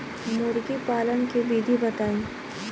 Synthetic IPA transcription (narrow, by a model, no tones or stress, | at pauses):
mʊɾɡipaːlənkibiːd̪ʱibɐt̪aːĩː